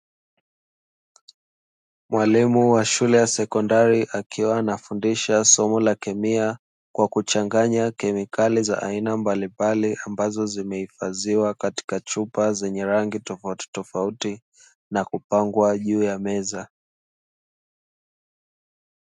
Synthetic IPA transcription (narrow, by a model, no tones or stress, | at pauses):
mwalimuwaʃulɛjasɛkɔndaɾiʔakʰiwaːnafundiʃasɔmɔlakɛmia | kwakut͡ʃaŋɡaɲakɛmikʰaliza̰ʔainambalimbaliʔambazɔzimɛhifaziwakati̥kat͡ʃupazɛɲɛɾaŋɡitɔfauti̥tɔfauti | nakupaŋɡwaʄuːjamɛza